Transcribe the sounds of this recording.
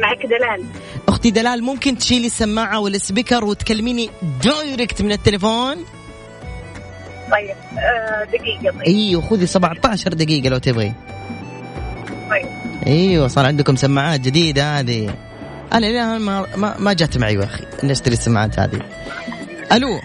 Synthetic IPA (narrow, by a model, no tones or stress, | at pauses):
maʕakd̪alaːlʔʊxt̪id̪alaːlmʊmkɪnt̪ʃiːlisːamːaːʕawɪlːɪsbɪkɑɾˤwɪt̪kalːmiːnid̪oːjɾɪkt̪mɪnɪt̪ːɪlafoːn | t̪ˤɑjːɪbd̪aɡiːɡat̪ˤʔiːwaxuːðisabɑʕt̪ˤɑːʃɑɾˤd̪aɡiːɡalawt̪ɪbɣḭ | t̪ˤɑjːɪbʔiːwasˤɑːɾˤʕɪnd̪kʊmsamːaʕaːt̪̚d͡ʒɪd̪iːd̪haːði | ʔanaʔamama̰mad͡ʒaːt̪maʕḭwʔaxḭʔɪlːaʃt̪ɪɾisːamːa̰ʕa̰ːt̪ha̰ːðḭ | ʔalu